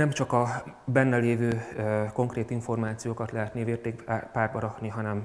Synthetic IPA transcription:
nɛmt͡ʃɒkɒbɛnːɛleːvøːko̞ŋkreːt̪iɱfo̞rmaːt̪sijoːkɒt̪lɛɦɛt̪niveːrt̪eːkpaːrd̪bɒɾɒkniɦɒnɛm

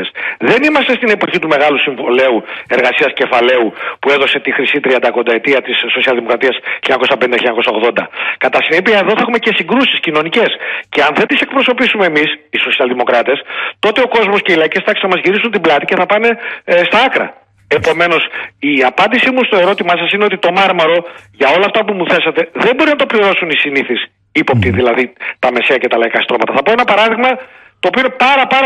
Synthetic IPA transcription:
esðe̞nimɐst̪est̪ine̞po̞çit̪ume̞ɣɐlusiɱvole̞ue̞ɾɣɐsiɐsce̞fɐle̞upueðo̞se̞t̪ixɾisit̪ɾiɐnd̪ɐko̞nd̪ɐe̞t̪iɐt̪isːo̞siɐlðimo̞kɾɐt̪iɐsçiɲɐko̞sɐpenid̪çiɲaɐko̞sɐoɣðo̞nd̪ɐkɐt̪ɐsinipiɐe̞ðo̞θɐexumece̞siŋɡɾusiscino̞nice̞sceɐnðet̪ise̞k̚pɾo̞so̞pisume̞ːmisiso̞siɐlðimo̞kɾɐt̪e̞st̪o̞t̪e̞o̞ko̞zmo̞sceilɐicest̪ɐesɐmɐzʝiɾisunt̪iblɐt̪ice̞θɐpɐne̞st̪ɐɐkɾɐ̰ | e̞po̞me̞no̞siɐpɐnd̪isimust̪o̞e̞ɾo̞t̪imɐsɐsineot̪it̪o̞mɐɾmɐɾo̞ʝɐo̞lɐːft̪ɐpumuθe̞sɐt̪e̞ðebo̞ɾinɐt̪o̞pliɾo̞sunisiniθis | ipopt̪iðilɐðit̪ɐme̞seɐcet̪ɐlɐikɐst̪ɾomɐt̪ɐθɐpoenɐpɐɾɐðiɣmɐ | t̪oːpioinepɐɾɐpɐɾ

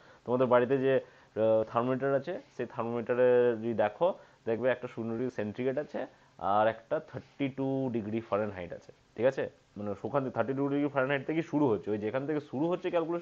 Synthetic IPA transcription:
t̪omad̪eɾbaɽit̪̬ed͡ʑe | t̪ʰaɾmomiʈaɾat͡ɕʰeʃejt̪ʰaɾmomiʈaɾeɾid̪ɛkʰod̪ekʰbeɛk̚ʈaʃunoɾiseɳʈɾiɡeʈat͡ɕʰe | a̰ɾɛkʈat̪ʰəɾʈiʈuɖiɡɾifʰaɾenɦajʈa̰t͡ɕʰe̥ | ʈʰikat͡ɕʰe | maneʃukʰant̪ʰəɾʈːiɖuɖiiɡɾifʰaɾenɦajʈ̚t̪ʰekiʃuɽuɦotːʰeojd͡ʑekʰanet̪ʰekeʃuɾuɦotːɕʰekɛlkule

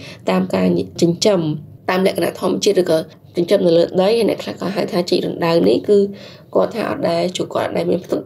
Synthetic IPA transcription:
t̪aːmkaːt͡ɕəɲt͡ɕəmt̪aːmlɛ̆əkana̰ʔt̪ʰŭəmət͡ɕiət̪̚rɨːkɑː | t͡ɕəɲt͡ɕəmnɨwləːɗəjanɛ̆əkʰlahkɑːɦaəwt̪ʰaːt͡ɕəc̚ɾunɗawnihkɨː | kŏət̪ʰːa̰ːʔɑ̰t̪̚ɗaɛlt͡ɕuəkŏət̪ʔɑt̪̚ɗaɛlmiənpʰt̪up̚

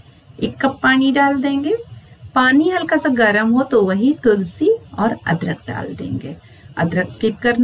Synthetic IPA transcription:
ɪkːɐpːaːniɖaːld̪ẽːŋɡeːpaːniɦɐlkasaɡɐɾəmɦot̪oʋɐɦit̪ʊlsiɔːɾɐ̰d̪ɾək̚ɖa̰ːld̪ḛ̃ːŋɡḛː | ɐ̰d̪ɾəkskɪp̚kɐɾn

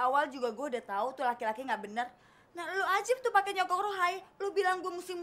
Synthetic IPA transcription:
awald͡ʒuɡaɡuaudat̪aut̪ʊlakilakiŋɡaʔbənər | nahload͡ʒɪp̚t̪ʊpakɛɲɔkɔkroɦajlohbilaŋɡuamusɪm

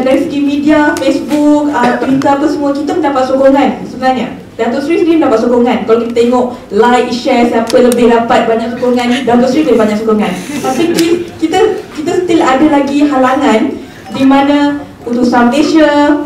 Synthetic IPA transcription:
daɾisəɡimĩdiafesbuk̚ət̪wit̪əɾapasəmuakit̪aməndapat̪̚sokoŋãnsəbənarɲə | dant̪ɔʔsɾisɾiməndapat̪sokɔŋãnkalawkit̪at̪eŋɔʔ | lajkiʃɛsampaləbɪhdapat̪̚baɲaʔsokoŋãndawt̪ɔʔsɾiblebaɲaʔsokɔŋanpasikikit̪akit̪asə̥t̪iladalaɡiɦalaŋãn | dimãnã | unt̪ʊʔsaməneʃə

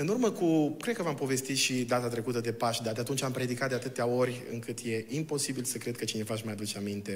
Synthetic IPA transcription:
ɨnurməkukɾed̪̚kəvampo̞ve̞st̪it̪ʃid̪at̪at̪ɾe̞kut̪əd̪e̞paʃd̪ad̪eat̪unt͡ʃʲampɾʲjed̪ikat̪̚d̪eat̪ɨt̪eao̞rʲɨ̰ŋkɨt̪je̞impo̞sibilsəkɾekət͡ʃine̞vaʃ̬majad̪ut͡ʃeamint̪e̞

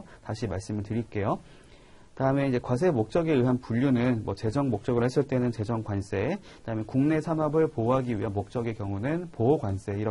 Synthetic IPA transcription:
taɕʰimaɭs͈ɯmɯɭtɯɾik͈e̞jo | kɯdaɯmeid͡ʑe̞kwas̬ʰemok̚t͡ɕ͈ʌɡe̞ɯɦanpuʎːunɯnmwʌt͡ɕe̞d͡ʑʌŋmok̚t͡ɕ͈ʌɡɯɭhes͈ɯɭt͈e̞nɯnt͡ɕe̞d͡ʑʌŋɡwans͈e̞kɯdaɯmjʌnkuŋne̞sʰanɦʌbɯɭpoɦaɡiɥiɦanmok̚t͡ɕ͈ʌɡe̞kjʌŋunɯnpooɡwans͈e̞iɾʌ

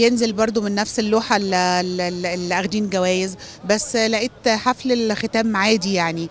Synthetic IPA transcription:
jenzelbɑɾˤd̪ˤomenːæfselːuːħalleelʔæɣd̪iːnɡæwæːjez | bæsːlæʔiːt̪ħaflelxet̪æːmːaʕaːd̪ijaʕni

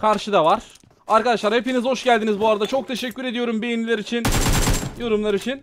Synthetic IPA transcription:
kʰaɾʃɯd̪avaɾ̥ | aɾkad̪aʃlˠaɾhe̞pinizho̞ʃɟælʲd̪inizbuaɾad̪at͡ʃʰo̞k̚t̪ʰe̞ʃɛcːyɾe̞d̪ijo̞ɾumbe̞jinilʲeɾit͡ʃʰinjo̞ɾumlˠaɾit͡ʃʰin

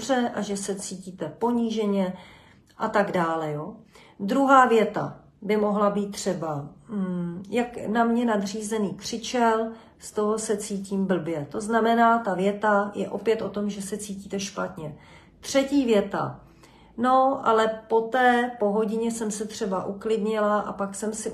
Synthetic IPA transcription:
rɛʔaʒɛsɛt͡siːciːt̪ɛpo̞ɲiːʒɛɲɛ | ʔat̪aɡdaːlɛjoː | d̪ɾuɦaːvjɛt̪a̰ | bɪmo̞ɦlabiːt̪̚ːr̝̥ɛba | jaknamɲɛnad̪r̝iːzɛniːkr̝̥ɪt͡ʃɛl | st̪o̞ɦo̞sɛt͡siːciːmbl̩bjɛt̪o̞znamɛnaːt̪avjɛt̪ajɛ̰ʔo̞pjɛt̪ʔo̞t̪o̞mʒɛsɛt͡siːciːt̪ɛʃpat̪ɲɛ | t̪r̝̥ɛciːvjɛt̪a̰ | no̞ʔa̰lɛpo̞t̪ɛːpo̞ɦo̞ɟɪɲɛsɛmsɛt̪r̥ɛbaʔuklɪdɲɪlaʔa̰paksɛmsɪ

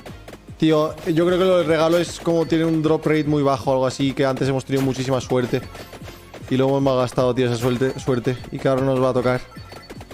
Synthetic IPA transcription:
t̪ioʝo̞kɾeokeloðelre̞ɣ̞aloe̞sko̞mot̪je̞neund̪ɾo̞prejt̪mujβ̞axoalɣ̞oasike̞ant̪ee̞mo̞st̪eniðomut͡ʃisimaswe̞ɾt̪e̞ | iloemo̞zmaɣast̪aðot̪̬ioesaswet̪eswe̞ɾt̪e̞ikeaoɾano̞zβaːt̪o̞kaɾ

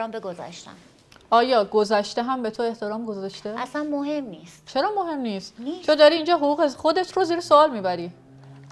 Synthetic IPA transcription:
ɒmbeɡozæ̰ʃt̪æ̰n | ʔɒːjɒːɡozæʃt̪eɦæmbe̞t̪ʰoe̞ht̪ʰe̞ɾɒːmɡozɒʃt̪e̞asænmoɦemniːst̪t͡ʃʰe̞ɾɒːmoɦe̞mniːst̪t͡ʃʰod̪ɒːɾiːiːnd͡ʒɒːɦoɣuːɣexo̞d̪e̞t̪ʰroziːɾesoɒːlmiːbæɾiː

